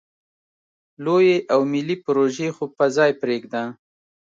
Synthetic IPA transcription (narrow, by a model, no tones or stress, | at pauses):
lojeʔawmɪlipɾoʒexopəzɑjpɾeɡd̪a